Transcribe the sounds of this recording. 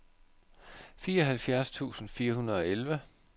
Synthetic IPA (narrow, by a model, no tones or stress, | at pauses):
fiːɐɒ̽ɦælfjæɐst͡sʰṵːsn̩fiːɐɦunɐð̞̩ˠɒ̽elʋə